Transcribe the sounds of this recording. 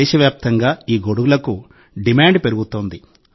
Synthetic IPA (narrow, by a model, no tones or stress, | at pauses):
ʃɐʋjaːp̚t̪ɐŋɡaːiːɡo̞ɽuɡulɐku | ɖimaːɳɖpe̞ɾuɡut̪oːnd̪i